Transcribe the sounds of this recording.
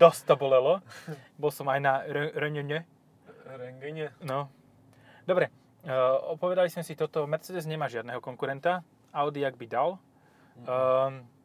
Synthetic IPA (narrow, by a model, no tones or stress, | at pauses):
d̪ɔst̪abɔlɛlɔbɔlsɔmajnaɾɾɛɲɛɲɛ | ɾɛŋɡɛɲɛnɔ | d̪ɔbɾɛ | ɔpɔʋɛd̪alismɛsit̪ɔt̪ɔmɛɾt͡sɛd̪ɛzɲɛmaːʒɪad̪nɛɦɔkɔŋkuɾɛnt̪a | aʊd̪iaɡ̚bid̪al